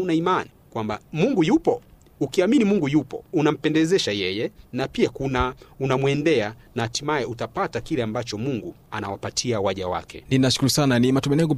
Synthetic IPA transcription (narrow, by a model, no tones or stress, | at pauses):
unaimanikwambamuŋɡujupɔ | ukiaminimuŋɡujupɔ̰unam̩pɛndɛzɛʃajɛjɛnapiakunaunamwɛndɛanahatimajɛutapatakilɛambat͡ʃɔmuŋɡuanawapatʰiawaʄawa̰kɛ̰ninaʃu̥kuɾusananimatumɛnɛɡu